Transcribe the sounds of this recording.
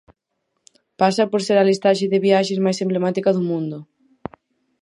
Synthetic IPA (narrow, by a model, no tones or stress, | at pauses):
pasɐpoɾseɾalist̪aʃeðɪβiaʃezmajsemblemat̪ikaðumũnd̪ʊ